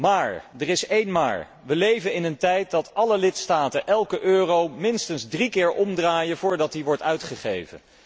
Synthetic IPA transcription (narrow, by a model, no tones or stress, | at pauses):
maːɹdərɪsejnma̰ːɹ | ʋəlejvənɪnəntɛjt̚dɑtɑləlɪtstaːtənʔɛlˠkəʔøːrowmɪnstənzdrikɪːɹʔɔmdraːjəvʊːɹdɑt̚diʋɔɹtœɥtχəχḛjvə̰n